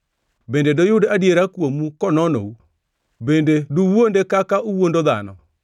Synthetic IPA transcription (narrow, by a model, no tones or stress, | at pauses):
bendedojodeadieɾakwomukɔnɔno̰u | bendeduwwondekakaʔuwondoða̰nɔ̰